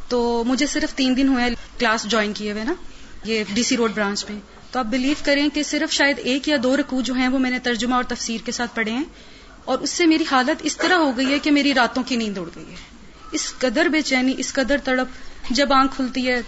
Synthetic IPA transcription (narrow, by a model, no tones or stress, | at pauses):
t̪oːmʊd͡ʒʱesɪɾəft̪iːnd̪ɪnɦuẽklaːsd͡ʒɔːɪnkijeʋeːnaːjeːɖiːsiɾoːɖbɾãːt͡ʃmẽ | t̪oaːp̚bɪliːʋkɐɾẽkesɪɾəfʃaːjəd̪eːkjad̪oːɾɐkuːd͡ʒoːɦɛ̃ʋomɛ̃ːnet̪ɐɾd͡ʒʊmaɔːɾt̪ɐfsiːɾkesaːt̪̚ʰpɐɽ̤eɦɛ̃ː | ɔːɾʊsːemeːɾiɦaːlət̪ɪst̪ɐɾaɦoɡɐiɦɛkemeːɾiɾaːt̪õkinĩːnd̪ʊɽɡɐḭɦɛː | ɪskɐd̪əɾbeːt͡ʃɛːniʔɪskɐd̪əɾt̪ɐɽəpd͡ʒɐbãːkʰːʊlt̪iɦɛː